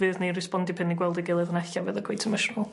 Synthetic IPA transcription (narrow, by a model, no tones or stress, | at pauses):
vɨːðnirɪspɔndɪpʰɪnːiɡwɛlˠdɪɡɪlˠəðənɛɬavəːðəkʰwejtʰəməʃnəlˠ